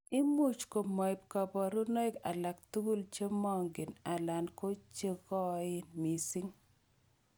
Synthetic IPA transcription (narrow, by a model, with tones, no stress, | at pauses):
ɪ˦mu˦t͡ʃko˨mɔ˨ɪ˨p̚ka˨bɔ˨ɾu˦nɔ˦ɪ˦ka̰˨la˨k̚t̪u˦ɡu˦lt͡ʃe˦mɔ˦ŋɡɪ˨na˨la˨nko˦t͡ʃe˦ɡɔ˦ɪ˦nmi˨si˦ŋ